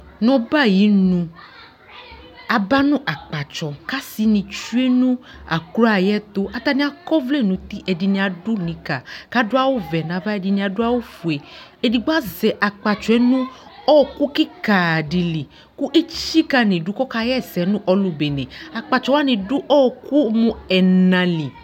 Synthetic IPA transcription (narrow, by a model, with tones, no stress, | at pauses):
nɔ̃˨ba˦˨ji˨˦nũ˧ | a˨ba˦nũ˦ʔa˨k͡pa˨t͡ʃɔ˨ka˦si˧nĩ˨˧t͡ʃu˦e˦nũ˦ | a̰˨kɾu˦a˨jɛ˦t̪o˦ʔa˨t̪a˧nĩ˦a˨kɔ˦vle˦˨nũ˨t̪i˦ʔɛ˨di˧nĩ˧a˨du˦nĩ˨ka˨ka˦dʊ˦a˦wo˦vɛ˨nã˨va˦ɛ˨di˧nĩ˧a˨dʊ˦a˦wo˦fu˨e˨ | ɛ˨di˧ɡ͡ba˦zɛ˨ʔa˨k͡pa˨t͡ʃɔ˨ɛ˨˦nũ˦ | ɔ˦˨ku˦ki˦ka˨di˨li˨ | ku˦ʔe˦t͡ʃi˦ka˧nĩ˨du˨˦kɔ˦ka˧jɛ˦˨sɛ˨˦nũ˦ʔɔ˦lu˨be˨nẽ˨a˨k͡pa˨t͡ʃɔ˧˦wa˦nĩ˧du˦ʔɔ˦˧˨ku˦mũ˧ɛ˨nã˨li˨